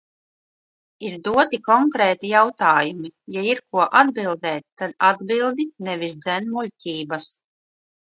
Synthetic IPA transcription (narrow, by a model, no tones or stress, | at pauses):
iɾd̪uɔt̪ikɔŋkɾɛːt̪ijawt̪aːjumijaiɾkuɔʔad̪bilˠd̪ɛːt̪̚ːad̪ad̪bilˠd̪inɛvisd̪zɛnmulʲcʲiːbas